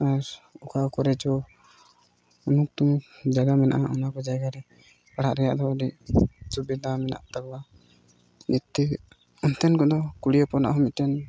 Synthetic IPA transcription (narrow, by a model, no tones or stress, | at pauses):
aɾɔkʰakɔɾɛd͡ʒɔ | unuk̚t̪uŋd͡ʒaɡamɛna̰ʔaʔɔnakɔd͡ʒaɡaɾɛ | kaɽaʔɾɛjaʔd̪ɔdisubid̪amɛna̰ʔt̪akba | nit̪ːɛ | ɔnt̪ɛnkɔd̪ɔkuɽijɔpɔna̰ʔɦɔmit̪tɛn